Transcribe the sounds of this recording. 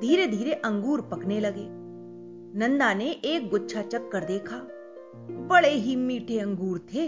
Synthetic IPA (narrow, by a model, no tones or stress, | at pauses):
d̪ʱiːɾed̪ʱiːɾeʔə̃ŋɡuːɾpɐkneləɡeː | nə̃nd̪aːneʔeːk̚ɡʊtːʃʰat͡ʃəkːəɾd̪eːkʰaː | bəɭeɦimiːʈʰeə̃ŋɡuːɾt̪ʰeː